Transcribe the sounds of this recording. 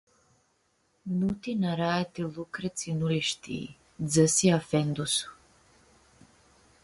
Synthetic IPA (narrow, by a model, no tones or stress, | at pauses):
nut̪inaɾaɛt̪ilˠukɾɛt̪sinuliʃt̪ʰḭ | d̪zəsiafɛnd̪usu̥